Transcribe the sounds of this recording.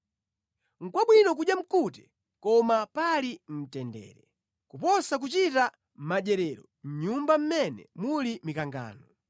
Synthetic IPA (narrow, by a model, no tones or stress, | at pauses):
ŋ̩kwaɓwinɔk̬uɗjam̩kutɛ̥ | kɔmapalim̩tɛndɛ̰ːɾɛ | kupɔsak̬ut͡ʃita | m̩maɗɛɾɛɾɔ | m̩ɲumbam̩mɛnɛ̰mulimikaŋɡa̰ːnɔ